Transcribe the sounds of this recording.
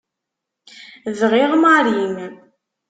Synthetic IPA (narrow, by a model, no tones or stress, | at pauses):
ðʁiʁmaɾim